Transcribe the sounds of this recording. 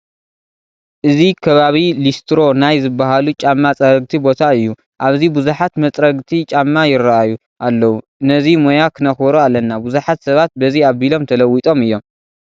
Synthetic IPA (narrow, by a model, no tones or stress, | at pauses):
ʔɨzikʰɐβaβilist̪ʰɾo̞najzɨbːaɦalut͡ʃʼamːat͡sʼɐɾɐɡ̚t̪ʰibo̞t̪ʰaɨjːu | ʔaβzibuzuħat̪mɐt͡s̪ʼɾɐɡt̪ʰit͡ʃʼamːajɪɾːaʔaju | ʔalːɐwu | nɐzimojakʰɨnɐxbɐɾualːɐnːabuzuħat̪sɐβat̪̚bɐziaβbilo̞mt̪ʰɐlɐwːit̪ʼo̞mɨjːo̞m